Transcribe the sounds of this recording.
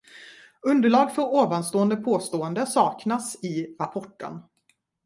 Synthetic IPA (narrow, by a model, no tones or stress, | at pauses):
ɵnd̪əɭɑːɡfœɾoːvanst̪oːənd̪əpʰoːst̪oːənd̪əsɑːknasɪɾapʰɔʈːə̰n